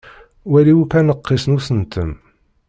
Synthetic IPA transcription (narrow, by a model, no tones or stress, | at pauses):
wæliwufænəqːisnusənt̪əm